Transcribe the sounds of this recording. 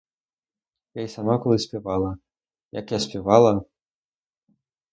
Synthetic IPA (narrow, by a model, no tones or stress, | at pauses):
jajsamakulˠɨsʲpʲavalˠɐ | jakjasʲpʲɛvalˠɐ